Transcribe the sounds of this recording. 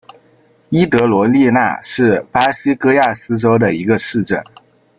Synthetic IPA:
i˥t̪ɤ˧˥lwɔ˧˥li˥˧na̰˥˧ʂɻ̩˥˩pa˥ɕi˥kɤ˥ja˥˩sɹ̩˥ʈ͡ʂo˥ʊd̪ə˨i˧˥ɡə˧ʂɻ̩˥˧ʈ͡ʂə̰˥˩n

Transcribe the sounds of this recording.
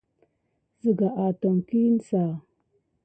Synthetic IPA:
zə˨ɡa˨ʔa˨to˨ŋki˦n˦sa˨

